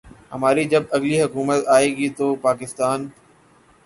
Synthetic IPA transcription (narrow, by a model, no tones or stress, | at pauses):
ɦəmaːɾiːd͡ʒəbɐɡliːɦʊkuːmət̪aːeːɡiːt̪oːpaːkɪst̪aːn